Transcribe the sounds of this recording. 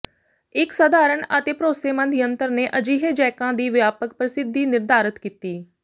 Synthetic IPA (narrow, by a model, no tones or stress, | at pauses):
ɪksəd̪aːɾəɳət̪eːpɾoːseːmə̃nd̪ʱɪjənt̪əɾneːʔəd͡ʒiːɦed͡ʒɛːkãːd̪iːʋjaːpək̚pɾəsɪd̪ʱːiːnɪɾd̪aːɾət̪kiːt̪iː